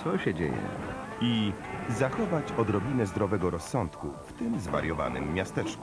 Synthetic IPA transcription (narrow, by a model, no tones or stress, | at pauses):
sɔɕɛd͡ʑḛjɛ̰ | izaxɔvat͡ɕɔd̪ɾɔbʲinɛzd̪ɾɔvɛɡɔɾɔsːɔnt̪kuft̪ɘmzva̰ɾjɔva̰nɘ̰mːjast̪ɛt͡ʂku̥